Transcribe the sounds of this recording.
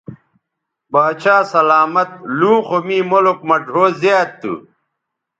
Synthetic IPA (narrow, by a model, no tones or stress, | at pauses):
baːt͡ɕʰaːsɐlaːmɐt̪̚lũːxomĩːmolokmɐɖʱoːzjaːd̪̚ṵ